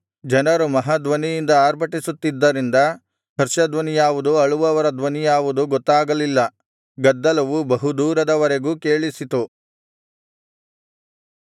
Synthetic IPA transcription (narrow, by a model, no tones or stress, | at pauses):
d͡ʒɐnɐɾumɐɦad̪ʋɐnijind̪ɐaːɾbʰʱɐʈisut̪ːid̪ːɐɾind̪ɐ | hɐɾʃɐd̪ʋɐnijaːʋud̪uɐɭuʋɐʋɐɾɐd̪ʋɐnijaːʋud̪uɡɔt̪ːaːɡɐlilːɐ | ɡɐd̪ːɐlɐʋubɐɦud̪uːɾɐd̪ɐʋɐɾe̞ɡuːke̞ːɭisit̪u